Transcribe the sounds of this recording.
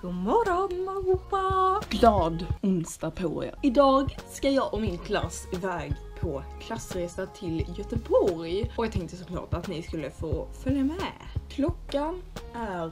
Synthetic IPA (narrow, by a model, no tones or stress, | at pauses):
ɡ̥ʊmɔɾɔmɔʊpaɡ̥lɑːd̪ʊnst̪apʰaɾɪ̰a̰ɪd̪ɑːɡskajɑːɡʔɔmɪnkʰla̰sɪvɛːɡpʰɔkʰlasːɾeːsat̪ʰɪljœt̪əbɔɾjɔjɑːt̪ʰɛŋk̚t̪əsɔkʰlɑ̰ːʈat̪nɪskɵlːəfoːfœljamɛkʰlɔkːanæɾ